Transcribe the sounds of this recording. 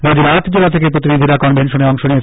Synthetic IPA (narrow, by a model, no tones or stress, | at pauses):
ɾɔd͡ʑibat̪d͡ʑelat̪ʰekepɾot̪inid̪ʱiɾakɔnbʱenʃoneɔŋʃonijet͡ɕʰ